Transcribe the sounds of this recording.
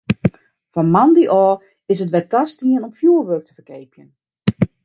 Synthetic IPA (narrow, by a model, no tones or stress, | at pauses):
fɔnmandiʔɔː | ɪsətʋɛtastiənomfjuːəlʋørk̚təfərkeːpjən